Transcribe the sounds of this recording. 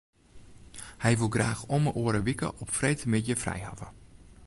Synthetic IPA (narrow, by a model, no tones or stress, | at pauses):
hɛjʋulˠɡraːxɔməʔuːəɾəʋikə̰ʔɔpfrejtəmɪtjəfrɛ̰jha̰və